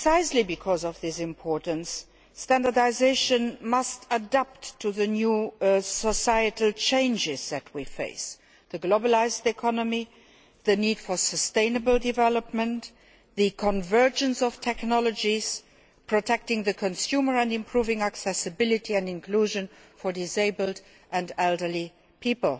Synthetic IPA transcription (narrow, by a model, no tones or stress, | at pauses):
saɪslibikʰɔzɔvðɪsɪ̃mpʰɔɹtən̩sː | tæ̃ndə˞daɪzeɪʃə̃nmʌstədæp̚tʰːuðənjusɔsaɪɨtl̩t͡ʃʰẽɪ̃nd͡ʒɪz̥ðɨt̚ʰwifḛɪs | ðəɡloʊbəlaɪzdɛkʰɑnəmi | ðəniːd̥fɔ˞səstẽɪ̃nəbəldɪvɛləpmə̃nt | ðəkʰɔ̃nvɜ˞d͡ʒə̃nsɔftʰɛknɔlɔd͡ʒiz̥ | pʰɹ̥ɔtʰɛk̚tɪ̃ŋðəkʰɔ̃nsjumə˞æ̃ndɪ̃mpʰɹuːvɪ̃ŋæksɛsəbɪlɪtʰiæ̃ndɪ̃nkʰluːʒə̃n | fɔɹdɪseɪbəld | ʔæ̃ndɛldə˞li | pʰipəlˠ